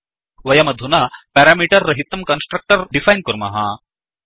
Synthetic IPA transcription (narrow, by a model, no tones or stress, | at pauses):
ʋɐjɐmɐd̪ʱunapɛːɾaːmiːʈɐɾːɐɦit̪ːɐmkɐnsʈɾɐk̚ʈɐɾɖifʰajnkuɾmɐ̰ɦɐ̰